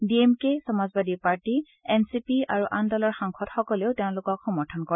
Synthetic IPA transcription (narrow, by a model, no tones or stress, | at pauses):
biemkesɔmazbadipaɹti | ɛnsipia̰ɹuʔandalɔɹxaŋxʰɔtxɔkɔleʊteʊ̃lʊkɔkxɔmɔɹtʰɔnkɔ